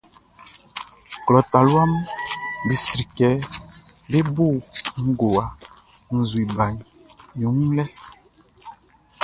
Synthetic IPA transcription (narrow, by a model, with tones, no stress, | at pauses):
klɔ˨ta˨lwa˦m | bi˨sɾi˨kɛ˨˦ | be˦bo˦˨ŋ̩˦ɡo˨wa˨ | n̩˨zwi˨ba˨ɲ˨ | ju˨˦m˦lɛ˦